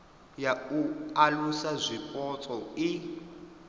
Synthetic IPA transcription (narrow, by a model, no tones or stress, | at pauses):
jaualusazʷikʼɔt͡sʼɔi